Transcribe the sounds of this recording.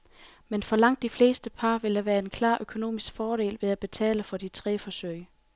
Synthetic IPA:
menfɒ̽lɑ̈ŋ̰d̥ːifle̝̰ːsd̥əpʰɑ̈ːʋe̝ld̥æʋæːɐe̝nkʰlɑ̈ːʔøkʰo̝no̝̰ːmisɡ̥fɒːɾe̝̰ːlʋe̝ðˠæb̥e̝t͡sʰɛ̰ːləfɒ̽dit͡sʰʁɛ̰ːfɒ̽søɪ̰

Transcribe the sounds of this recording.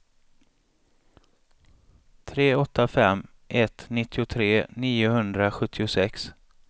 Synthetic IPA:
t̪ʰɾeːɔt̪ʰːafɛmː | ʔɛt̪nɪt̪ʰːɪʊt̪ʰɾeːniːʊhɵnd̪ɾaɧɵt̪ʰːɪʊsɛks

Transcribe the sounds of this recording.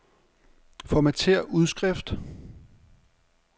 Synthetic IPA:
fɒmæt͡sʰe̝ɐ̰ʔuð̞ˠsɡ̥ʁɛfd̥

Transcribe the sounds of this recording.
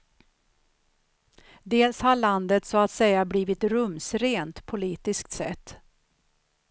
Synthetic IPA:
d̪eːlshaɭand̪ət̪sɔat̪sɛjːabliːvɪt̪ɾɵmsɾeːnt̪pʰʊliːt̪ɪsk̚t̪sɛ̰t̪ː

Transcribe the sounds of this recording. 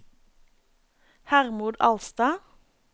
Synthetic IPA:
hæʁmʊːd̪ɑlst̪ɑː

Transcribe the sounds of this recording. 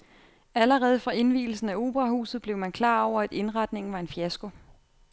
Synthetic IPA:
æləʁɛːð̞ˠfɑ̈e̝nʋḭːl̩sn̩æo̝ːb̥ʁɑ̈hṵːsð̩ˠb̥le̝ʊmænkʰlɑ̰̈ːɒʊ̰ɐæd̥e̝nʁɑ̈d̥ne̝ŋn̩ʋɑ̈e̝nfiæsɡ̥o̝

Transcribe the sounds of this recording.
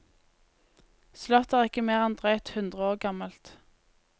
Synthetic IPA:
slœt̪æːʁɪkəmeːʁɛnd̪ʁœʏt̪hʉnd̪ʁəoːʁɡɑməlt̪

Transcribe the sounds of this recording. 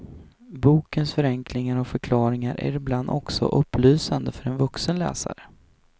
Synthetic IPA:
buːkənsfœɾɛŋklɪŋaɾɔkfœɾkʰlɑːɾɪŋaɾʔæ̰ɾɪbland̪ɔksɔ̰ʔɵpːlyːsand̪əfœɾɛnvɵksənlɛ̰ːsa̰ɾə

